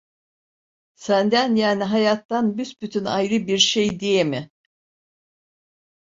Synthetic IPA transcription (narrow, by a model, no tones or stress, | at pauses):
sænd̪ænjaːniɦajat̪ːanbysbyt̪ʰynajɾɯbiɾʃejd̪ijemɪ